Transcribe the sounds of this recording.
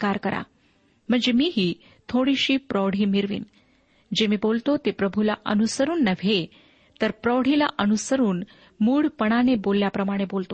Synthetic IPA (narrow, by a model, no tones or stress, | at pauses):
kaɾkəɾa̰ | m̤əɳd͡zemiːɦiː | t̪ʰoɽiɕiːpɾɔɽ̤iːmiɾʋḭːn | d͡ʑemiːbolt̪ot̪epɾəbʱulaʔə̰nusəɾuːnːəʋʱe | t̪əɾpɾɔʋɽ̤ila̰ʔənusəɾuːn | muːɽpəɳ̃anebolːjapɾəmaɽ̃ebolt̪o